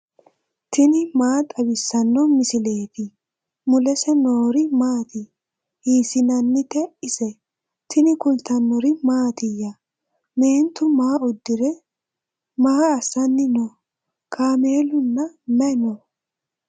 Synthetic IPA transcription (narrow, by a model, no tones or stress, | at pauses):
t̪ɪnɪmaːt̪ʼɐbɪsːɐnːɔmɪsɪle̞ːt̪ɪ | mʊlɛsɛnoːɾɪmaːt̪ɪ | hiːsɪnɐnːɪt̪ɛɪsɛ | t̪ɪnɪkʊlt̪ɐnːɔɾɪmaːt̪ɪjːɐ | meːnt̪ʊmaːɔd̪ːɪɾɛ | maːɐsːɐnːɪnɔ | kʰaːmeːlʊnːɐmɛnɔ